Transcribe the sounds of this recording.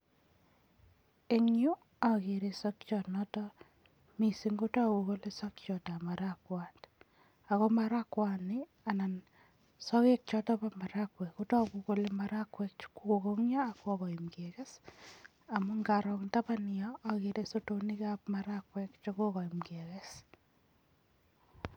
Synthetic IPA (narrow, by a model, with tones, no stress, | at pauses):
e˦ɲju˦ | a˨ke˨ɾe˨so˦kt͡ʃɔnɔ˦tɔ | mi˨si˦ŋɡo˦tɔ˦ko˨ko˦le˦sa˦kt͡ʃɔ˨ta˨ma˨ɾakwand | a˨ko˦maɾa˦kwa˨ni˦ | a˨na˨n | sɔ˦ke˦k̚t͡ʃɔ˦tɔ˦pa˦ma˨ɾakwɛ˨ko˦tɔ˦ku˨ko˦lemaɾa˦kwɛk̚t͡ʃkuko˨ko˦ŋɲaː˦˨ko˦ɣɔ˨imkeke˦s | a˨mu˦ŋɡaɾɔknta˦panɪ˨jɔa˨ke˨ɾe˦so˦to˦ni˦kapmaɾakwɛ˦kt͡ʃo˦ko˦kɔ˨imɡekes